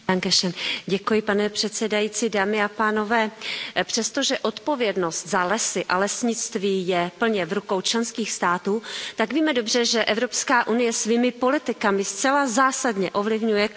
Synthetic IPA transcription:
aŋkɛʃɛnɟɛkujɪpanɛpr̝̥ɛt̪sɛdajiːt͡siːdaːmɪapaːno̞vɛːpr̝̥ɛst̪o̞ʒɛʔo̞t̪po̞vjɛdno̞st̪zalɛsɪʔa̰lɛsɲɪt͡st̪viːjɛpl̩ɲɛvɾuko̞wt͡ʃlɛnskiːxst̪aːt̪uːt̪aɡviːmɛdo̞br̝ɛʒɛʔɛvɾopskaːʔunɪjɛsviːmɪpo̞lɪt̪ɪkamɪst̪t͡sɛlazaːsadɲɛʔo̞vlɪvɲujɛ

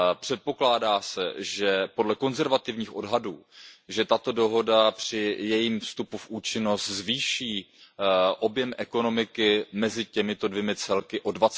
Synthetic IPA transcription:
pr̥ɛt̪̚po̞klaːdaːsɛ̰ʒɛpo̞dlɛko̞nzɛɾvat̪ɪvɲiːxʔo̞dɦaduːʒɛt̪at̪o̞do̞ɦo̞dapr̝̥ɪjɛjiːmfst̪upufʔuːt͡ʃɪno̞st̪zviːʃiː | ʔo̞bjɛmʔɛko̞no̞mɪkɪmɛzɪcɛmɪt̪o̞dvjɛmɪt͡sɛlkɪʔo̞dvat͡s

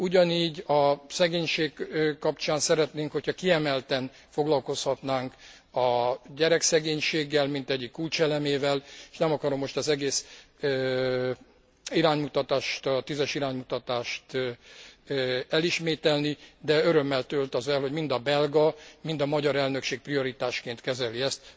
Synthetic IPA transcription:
uɟɒniːɟɒsɛɡeːɲʃeːkkːɒpt͡ʃaːnsɛɾɛt̪neːŋkho̞cʰhɒkiɛmɛlt̪ɛn | fo̞ɡlɒlko̞shɒt̪naːŋk | ɒɟɛɾɛksɛɡeːɲʃeːɡːɛlmint̪ɛɟːikːult͡ʃɛlɛmeːvɛle̥ʃnɛmɒkɒɾo̞mːo̞ʃt̪ɒzɛɡeːs | iɾaːɲmut̪ɒt̪aːʃt̪ɒt̪izɛʃiɾaːɲmut̪ɒt̪aːʃt̪ | ɛliʃmeːt̪ɛlnid̪ɛøɾø̞mːɛlt̪ølt̪ɒzɛlɦo̞ɟmind̪ɒbɛlɡɒmind̪ɒmɒɟɒɾɛlnø̞kʃeːk̚prio̞ɾit̪aːʃkeːnt̪kɛzɛliɛst̪̚

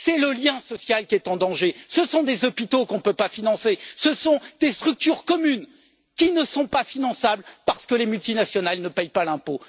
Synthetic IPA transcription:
sɛləljɛ̃sɔsjalkʲiɛt̪ɑ̃d̪ɑ̃ʒesəsɔ̃d̪ezɔpit̪okɔ̃nəpøpafinɑ̃sesəsɔ̃d̪̥est̪χyk̚t̪yʁkɔmyn | kʲinəsɔ̃pafinɑ̃sablpaʁsə̥kəlemylt̪inasjɔnalnəpɛjpalɛ̃po

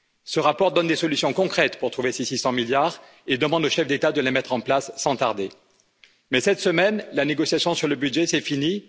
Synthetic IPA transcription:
səʁapɔʁd̪ɔnd̪esɔlysjɔ̃kɔ̃kχɛt̪puʁt̪χuvesesisɑ̃miljaʁ | ed̪əmɑ̃d̪oʃɛfd̪et̪ad̪əlemɛt̪χɑ̃plasːɑ̃t̪aʁd̪e | mɛsɛt̪səmɛnlaneɡɔsjasjɔ̃syʁləbyd̪ʒɛsɛfini

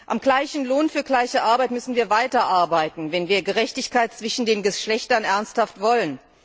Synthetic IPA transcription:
ʔa̰mɡlaɪçn̩loːnfyːɐɡlaɪçəʔaɐbaɪtmʏsn̩viːɐvaɪtɐʔaɐbaɪtn̩vɛnviːɐɡəʁɛçtɪçkaɪt̚t͡sv̥ɪʃn̩deːnɡəʃlɛçtɐnʔɛɐnsthaftv̥ɔlən

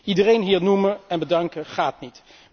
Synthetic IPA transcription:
idərejnɦiːɹnuməɛnbədɑŋkəχaːtnit

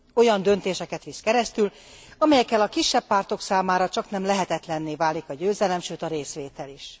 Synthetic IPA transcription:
o̞jɒnd̪ø̞nt̪eːʃɛkɛt̪ʋiskɛɾɛst̪yl | ɒmɛjɛkːɛlɒkiʃːɛbːaːrt̪o̞ksaːmaːɾɒt͡ʃɒknɛmlɛɦɛt̪ɛt̪lɛnːeːvaːlikɒɟøːzɛlɛmʃøːt̪ɒɾeːsʋeːt̪ɛliʃ

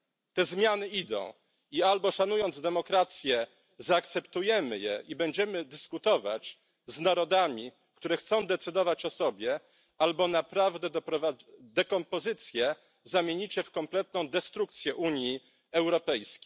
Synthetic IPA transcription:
t̪ɛzmʲjanɘid̪ɔ̰̃w̃ | ialbɔʂanujɔnd̪zd̪ɛmɔkɾat̪sʲjɛ | zaːk̚t̪sɛpt̪ujɛmɘ̰jɛ̰ʔibɛɲd͡ʑɛmɘd̪ɘskut̪ɔva̰t͡ɕ | znaɾɔd̪amʲi | kt̪uɾɛxt̪sɔ̃w̃d̪ɛt̪sɘd̪ɔvat͡ɕɔsɔbʲjɛ | albɔnapɾavd̪ɛd̪pɾɔvad̪ɛkɔmpɔzɘt̪sʲjɛ | zamʲjeɲit͡ɕɛfkɔmplɛt̪nɔ̃w̃d̪ɛst̪ɾuk̚t̪sʲjɛʔuɲji | ɛwɾɔpɛjskʲej

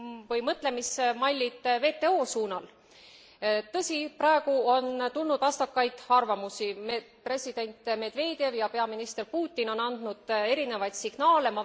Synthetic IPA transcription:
vɤjmɤt̪ˑle̞mismɑlʲːit̪ve̞ːt̪ːe̞o̞ːsuːnɑl | t̪ɤsʲiprɑe̞ɡ̥uont̪ulnud̪̥vɑst̪ɑkːɑjd̪̥ɑrvɑmusim | pre̞sʲid̪̥e̞nʲt̪me̞d̪ve̞ːd̪̥je̞vjɑpe̞ɑminist̪e̞rpuːt̪ʲːino̞nɑnd̪̥nud̪̥e̞ɾine̞vɑjt̪siɡ̥nɑːle̞mɑ

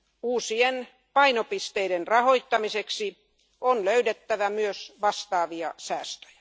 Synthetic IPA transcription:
uːsien | pɑinopist̪eidenrɑhoit̪ːɑmiseksi | onløydet̪ːæʋæmyøsʋɑst̪ɑːʋiɑ̰sæːst̪ø̥jæ̥

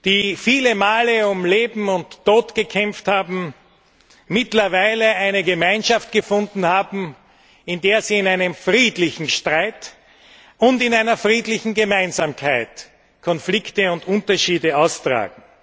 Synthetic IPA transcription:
d̥iːfiːləmaːləʊmleːbm̩ʊntʰːoːtɡ̥əkʰɛmfthaːbm̩ | ɪtlɐvaɪləaɪnəɡəmaɪnʃaft̚ɡ̥əfʊ̃ndn̩haːbm̩ | ɪndeːɐziːɪnaɪnəmfʁiːdlɪçn̩ʃtʁaɪt | ʊntɪnaɪnɐfʁiːdlɪçn̩ɡəmaɪnzaːmkʰaɪt | kʰɔnflɪktəʊntʊntɐʃiːdəaʊstʁ̥a̰ːɡŋ̩

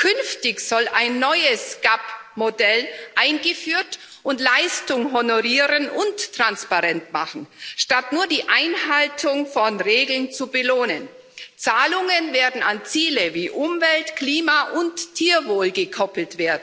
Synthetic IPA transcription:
kʰʏnftɪçz̥ɔlaɪnːɔʏəsɡ̥apmodɛlʔaɪnɡəfyːɐt | ʔʊntlaɪstʊŋɦonoʁiːʁənʔʊntːʁ̥anspaʁɛntma̰χn̩ʃtatnuːɐdiːʔaɪnɦaltʰʊŋfɔnʁeːɡl̩nt͡subəloːnən | t͡saːlʊŋənveːɐdn̩a̰nt͡siːləviːʔʊmvɛltkliːmaʔʊntʰːiːɐvoːlɡəkʰɔpl̩tv̥eːɐdn̩

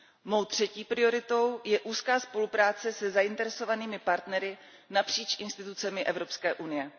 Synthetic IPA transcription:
mo̞wt̪r̝̥ɛciːpɾɪo̞ɾɪt̪o̞wjɛʔuːskaːspo̞lupɾaːt͡sɛsɛzaʔɪnt̪ɛɾɛso̞vaniːmɪpaɾt̪nɛɾɪ | napr̝̥iːt͡ʃʔɪnst̪ɪt̪ut͡sɛmɪʔɛvɾo̞pskɛːʔunɪjɛ

